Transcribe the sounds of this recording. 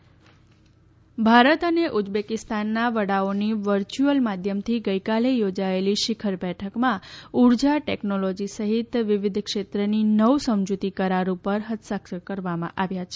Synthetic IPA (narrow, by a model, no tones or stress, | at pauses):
bʱaɾət̪əneʔud͡ʒbekɪst̪anːaʋəɽaoniʋəɾt͡ʃuəlmad̪ʱjəmt̪ʰiɡəjkalejod͡ʒaeliʃɪkʰəɾbɛʈʰəkmãuɾd͡ʒaʈeknolod͡ʒisəɦit̪ʋɪʋɪd̪ʱkʃet̪ɾəninəwsəmd͡ʒut̪ikəɾaɾupəɾɦət̪səkkəɾʋamã̰ʔaʋjat͡ʃʰe